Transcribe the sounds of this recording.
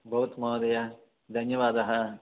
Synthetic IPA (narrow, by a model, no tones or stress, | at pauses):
bʱɐʋɐt̪mɐʋd̪ɐjɐ | d̪ʱɐnjɐʋaːd̪ɐɦɐ